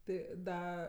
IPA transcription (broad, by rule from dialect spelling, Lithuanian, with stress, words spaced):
ˈtɐɪ ˈdɐ